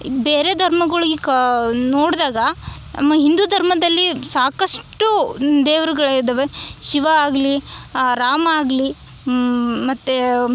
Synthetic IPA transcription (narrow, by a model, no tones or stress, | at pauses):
beːɾe̞d̪ʱɐɾmɐɡɐɭɐɡiknoːɽd̪aːɡɐ | ɐ̰mːɐɦind̪ud̪ʱɐɾmɐd̪ɐlːisaːkɐsʈud̪eːʋɾɐɡɐɭɐid̪ɐʋeʃiʋɐaːɡliɾaːmaːɡli | mɐt̪ːe